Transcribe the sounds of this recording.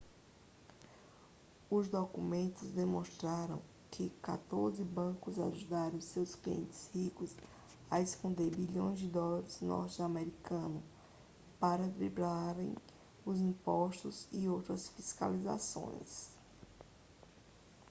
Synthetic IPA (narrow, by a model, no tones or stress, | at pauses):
ʊzd̪okumẽnt̪ʊzd̪emõst̪ɾaɾɐ̰̃w̃ | kʰɪka̰t̪oɾzɪbɐ̃kʊza̰ʒud̪aɾɐ̃w̃sewskliḛ̃nt̪ɪ̥shikʊs | ɐeskõnd̪eɾbiʎõj̃zd͡ʒɪd̪ɔlaɾɪznɔ̰ɾt͡ʃɪamɛɾikɐ̃nʊ | paɾɐd̪ɾiblaɾḛ̃j̃ | ʊzĩpɔʃt̪ʊzɪowt̪ɾɐsfiska̰liza̰sõ̰j̃s